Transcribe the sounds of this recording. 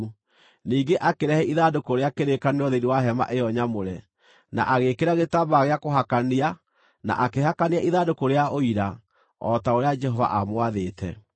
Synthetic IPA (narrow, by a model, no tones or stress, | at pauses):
niːɡeʔakeɾɛhɛʔiðadokoɾeakeɾekaneɔðeɾiwaɦɛma̰ʔejɔɲamoɾɛ | na̰ʔaɣekeɾaɣetabaɣeakoɦakania | na̰ʔakeɦakaniaʔiðadokoɾeaoiɾa | ɔtaoɾead͡ʒɛɦɔva̰ʔamwaðeːtɛ̰